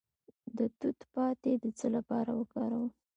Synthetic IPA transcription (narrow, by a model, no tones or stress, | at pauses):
d̪ət̪ut̪pɑt̪ed̪ət͡səlapɑɾawəkɑɾawə